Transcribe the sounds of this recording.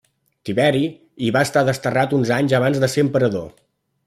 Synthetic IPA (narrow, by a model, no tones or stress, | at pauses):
t̪iβɛɾi | iβaəst̪aðəst̪ərat̪unzaɲzəβanzðəseəmpəɾəðo̰